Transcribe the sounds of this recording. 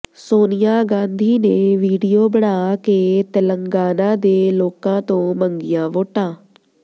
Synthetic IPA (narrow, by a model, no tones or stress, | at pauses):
soːnɪjaːɡãːnd̪ʱiːneʋiːɖijoːbəɽaːket̪ələ̃ŋɡaːnãːd̪eːloːkãːt̪õːməŋɡɪjãːʋoːʈãː